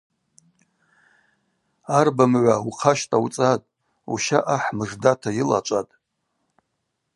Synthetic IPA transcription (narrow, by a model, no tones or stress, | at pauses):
arbamʕʷauqʰaʃtʼawt͡sʼatʼ | ṵʃaʔaħmɨʐdatʰajila̰t͡ʃʷʼatʼ